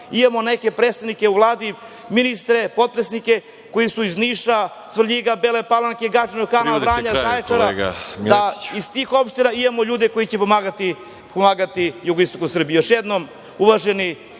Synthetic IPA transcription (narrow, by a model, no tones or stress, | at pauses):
imamo̞ne̞ke̞pɾeːst̪ad̪nike̞uʋlˠaːd̪i | minist̪ɾe̞po̞t̪̚pɾesnike̞ | ko̞jisuizniːʃa | sʋr̩ʎiɡabelepalaŋkeɡad͡ʒenoxanabɾaːɲazajet͡ʃaɾa̰aist̪iːxo̞pʃt̪inaimamoʎuːd̪eko̞jit͡ɕepomaːɡat̪i | pomaːɡat̪ijuɡoist̪o̞kosr̩bijjoʃjed̪nom | uʋaʒeni